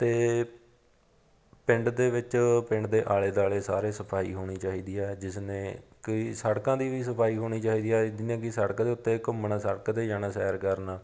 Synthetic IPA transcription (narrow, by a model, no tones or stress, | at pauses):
t̪eː | pɪ̃ɳɖd̪eːʋɪt͡ʃpɪ̃ɳɖd̪eːʔaːleːd̪aːleːsa̰ːɾeːsəpʰaːḭːɦoːɽ̃iːt͡ʃaːɦiːd̪iːɛːd͡ʒɪsneːkisəɽkãːd̪iːʋiːs̬əpʰaːiːɦoːɽ̃iːt͡ʃaːiːd̪iːɛːd̪nẽːkɪsəɽkːd̪eːʊt̪ːeːkʊmnãːsəɽəkd̪eːd͡ʒaːnaːsɛ̰ːɾkəɾnaː